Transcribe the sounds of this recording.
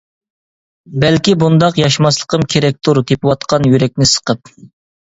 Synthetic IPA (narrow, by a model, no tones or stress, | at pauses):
bɛlkʲibund̪ɑqjɑʃmɑslˠəqʰəmkʲʰeɾɛk̚ʲt̪ʰuɾt̪ʰepɨwɑt̪qʰɑnjyɾɛk̚ʲnɪsə̥qəp̚